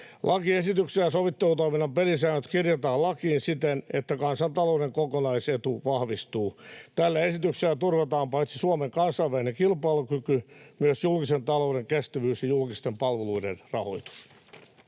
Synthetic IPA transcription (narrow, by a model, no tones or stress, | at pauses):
lʔɑkiesit̪ykselːɑsoʋit̪ːelut̪oiminːɑmperisæːnøt̪kirjot̪ɑːlɑkiːnsit̪enet̪ːækɑnsɑnt̪ɑloudeŋkokonɑiset̪uʋɑhʋist̪uːt̪ælːæesit̪ykselːæt̪urʋɑt̪ɑːmpɑit̪sisuɑmeŋkɑnsɑiʋælinekilpɑːlukykymyøsjulkisent̪ɑloudeŋkest̪æʋyːsjɑjulkist̪empɑlʋeluidḛnrɑho̰it̪u̥s